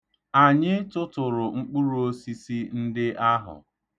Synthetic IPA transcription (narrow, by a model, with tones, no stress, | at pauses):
a˨ɲɪ˦tʊ˦tʊ˨ɾʊ˨ŋ͡m̩˦k͡pu˦ɾu˨˦o˦si˦si˦n̩˦dɪ˦ʔa˦ɦʊ̰˨